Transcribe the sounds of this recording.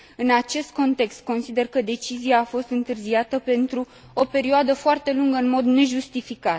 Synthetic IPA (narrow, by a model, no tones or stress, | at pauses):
ɨnat͡ʃe̞st̪̚ko̞nt̪e̞kst̪̚ko̞nsid̪e̞rkəd̪e̞t͡ʃiziaːfo̞st̪ɨnt̪ɨrziat̪əpe̞nt̪ɾu | ope̞ɾioad̪əfoart̪e̞luŋɡəɨnmo̞d̪ne̞ʒust̪ifikat̪